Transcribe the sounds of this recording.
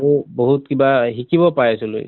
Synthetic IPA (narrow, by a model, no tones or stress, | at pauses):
uboɦutkibaɦikʰibɔpajsulo̰j